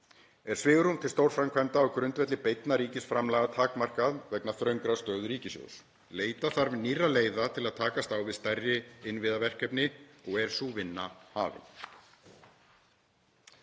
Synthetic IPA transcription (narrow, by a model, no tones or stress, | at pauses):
ɛɾ̥svɪːɣʏɾumt̪ʰɪlst̪owɾ̥fɾajmkʰvajmt̪aɔwkɾʏnt̪vɛt̪lɪpejt̪naɾiːcɪsfɾamlaːɣat̪ʰaːkmar̥kaðvɛknaθɾœɥŋkɾast̪œːðʏɾiːcɪsjo̰ws | leːjt̪aθaɾvɪnirːaleːjðat̪ʰɪlaðt̪ʰaːkast̪awvɪðst̪ajrːɪɪnvɪðavɛr̥kɛpnɪɔɣɛɾ̥suːvɪnːaha̰ːvɪ̰n